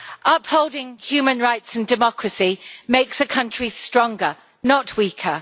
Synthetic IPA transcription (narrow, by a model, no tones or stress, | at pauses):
ʔʌphoʊlˠdɪ̃ŋhjʉːmə̃nɹaɪtsə̃ndɪmɒkʰɹəsimeɪksəkʰʌ̃nt͡ʃɹ̥istɹ̥ɒ̃ŋɡə | nəʔʰwiˑkʰə